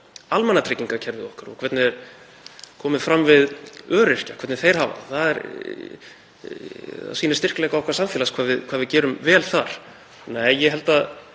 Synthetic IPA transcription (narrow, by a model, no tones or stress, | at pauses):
almɛnːat̪ʰejcːiŋkacʰɛɾvɪðɔhkaɾɔ̰kʰvɛt̪nɪɛɾ | kʰɔːmɪðfɾamːvɪðœːɾɪr̥cakʰɛt̪nɪθejɾ̥ɦaːva̰θaðɛ̰ɾ | a̰siːnɪ̥st̪ɪr̥klɛjkaɔhkvḁɾsamfɛːlaskʰvaːðvɪðkʰvaːðvɪðcɛːɾʏmvɛːlθaɾ̥ | nɛːjjɛɦɛlt̪a